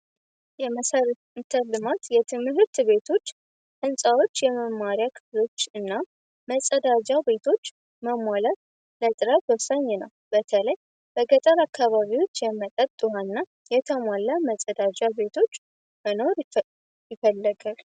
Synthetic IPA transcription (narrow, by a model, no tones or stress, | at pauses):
jɛməsəɾ | ɨnt̪ʰəlːɨmat̪jɛt̪ʰɨmɦɨɾt̪be̞t̪ʰo̞t͡ʃː | ʔɨnsʼawo̞t͡ʃːjɛməmːaɾjakʰɨflo̞t͡ʃːɨnːa | məsʼəd̪ad͡ʒabe̞t̪ʰo̞t͡ʃː | məmʷalat̪ | lət̪ʼɨɾat̪wəwsaɲːenəw | b̥ət̪ʰələj | b̥əɡət̪ʼəɾakʰːaβaβiwot͡ʃːjɛmət̪ʼət̪ʼːuwanːa | jɛt̪ʰəmʷalːaməsʼəd̪ad͡ʒabe̞t̪ʰo̞t͡ʃː | məno̞ɾ | jɪfəlːəɡal